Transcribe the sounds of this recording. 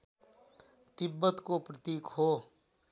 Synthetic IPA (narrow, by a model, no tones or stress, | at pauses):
t̪ɪbːət̪kopɾət̪iːkhoː